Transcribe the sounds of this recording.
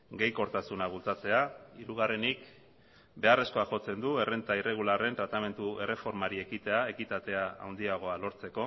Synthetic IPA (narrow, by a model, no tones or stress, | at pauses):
ɡe̞jko̞ɾt̪asunaβult͡sat͡se̞aiɾuɣ̞are̞nik | be̞are̞sko̞aʝo̞t͡se̞nd̪ue̞re̞nt̪aire̞ɣ̞ulare̞nt̪ɾat̪ame̞nt̪ue̞re̞fo̞ɾmaɾie̞kit̪e̞ae̞kit̪at̪e̞aa̰wnd̪iaɣ̞o̞alo̞ɾt͡se̞ko̞